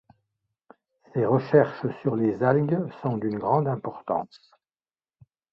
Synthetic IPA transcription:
seʁəʃɛʁʃsyʁlezalɡsɔ̃d̪ynɡʁɑ̃d̪ɛ̃pɔʁt̪ɑ̰̃s

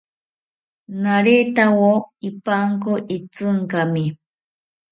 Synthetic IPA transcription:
naɾet̪awoipaŋkoʔit͡sɨŋkami

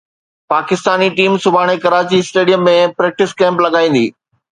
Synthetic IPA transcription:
paːkɪst̪aːniʈiːmsʊbʱaːɽ̃ekɐɾaːt͡ɕisʈeːɖijəmːẽpɾɛːk̚ʈɪskɛ̃ːmplɐɡaːĩːn̆d̪ḭː

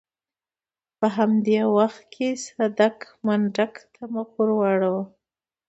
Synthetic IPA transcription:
pəɦamd̪ewaxt̪̚kʰesad̪ak | maɳɖakt̪ʰamakuɾwɑɽawa

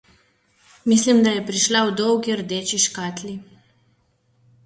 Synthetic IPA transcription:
mislimd̪ajɛpɾiʃlawd̪ɔwɡiɾd̪eːt͡ʃiʃkaːt̪li

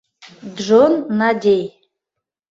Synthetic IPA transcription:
dʐonːadʲej

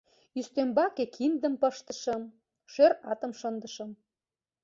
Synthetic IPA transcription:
yst̪ømbɑkekʰind̪ə̆mpəʃt̪ə̥̆ʃə̆m | ʃøɾɑt̪ə̆mʃənd̪ə̆ʃɤ̆m

